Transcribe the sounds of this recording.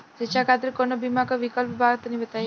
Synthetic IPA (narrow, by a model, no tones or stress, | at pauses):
d͡ʒet͡ʃakat̪ɾikonəbimakaʋikəlpbʱaɡt̪nibət̪a